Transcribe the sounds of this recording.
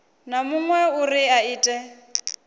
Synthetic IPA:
namʊŋwɛʊriaiːtʼɛ

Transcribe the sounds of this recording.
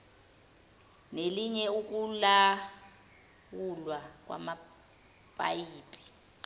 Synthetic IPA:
neliɲɛuk̬ula | wulwak̬wa̰ma | pʼa̰jiːpʼi̥

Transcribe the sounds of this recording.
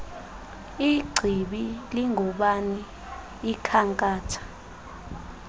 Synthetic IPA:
iɡ͡ǀʱiɓiliŋʱɔɓaniː | kʰaŋkʼaːtʰḁ

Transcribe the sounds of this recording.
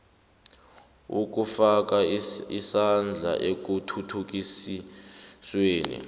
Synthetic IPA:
uk̬ufak̬aisand͡ɮʱa̰ʔek̬utʰutʰuk̬isisweːnḭ

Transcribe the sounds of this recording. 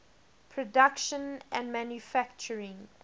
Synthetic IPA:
pʰɹ̥ɔdakʃə̃nʔæ̃nmæ̃njufæk̚t͡ʃəɹɪ̃ŋ

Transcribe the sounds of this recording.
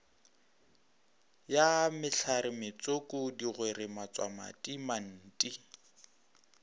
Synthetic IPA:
jamɪɬʰaɾɪmɪt͡sʼokʼʊdiɣweɾɪmat͡sʼwa̰ma̰tʼiman̩ːtʼi

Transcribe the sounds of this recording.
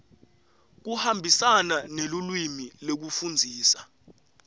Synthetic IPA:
k̬uhambʱisananelulwimilok̬ufund͡zʱiːsa

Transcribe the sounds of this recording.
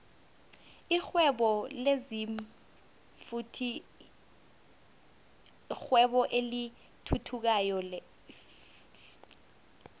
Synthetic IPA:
ixwɛɓɔleziɱ | futʰi | xwɛɓɔʔeli | tʰutʰuk̬ajɔlɛ

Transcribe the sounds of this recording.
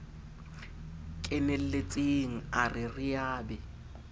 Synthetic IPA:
kʼɪnel̩let͡sʼeŋ̩arɪrɪjaːbɛ

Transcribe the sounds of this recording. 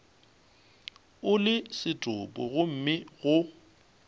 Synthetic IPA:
ʊlɪsɪtʼʊpʼʊɣʊm̩mɪɣʊ

